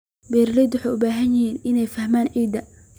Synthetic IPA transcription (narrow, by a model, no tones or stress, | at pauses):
bɛːɾlɛjd̪wʊħɑjʊbaːɦɐnjɪhiːnɪnɛjfɐhmaːnʕiːd̪ɐ